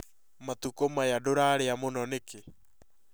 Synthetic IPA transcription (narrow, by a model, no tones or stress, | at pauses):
matukomajadoɾaːɾeamonɔneke